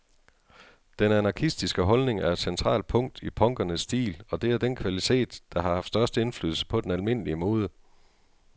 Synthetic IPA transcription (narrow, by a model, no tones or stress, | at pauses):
d̥enænɑ̈kʰisd̥isɡ̥əɦɒ̽lne̝ŋæɐed̥sent͡sʰʁɑ̰̈ːl̥̚pʰɔ̽ŋ̰d̥ipʰɒ̽ŋɡ̥ɐnəsːd̥ḭːlɒ̽d̥e̝æɐd̥enkʰʋælit͡sʰe̝̰ːd̥ːɑ̈ɦɑ̈hɑfd̥sd̥ɶɐsd̥əe̝nfly̰ːð̰ˠl̩sə̥pʰɒ̽d̥enælme̝n̰əliəmo̽ːð̞ˠə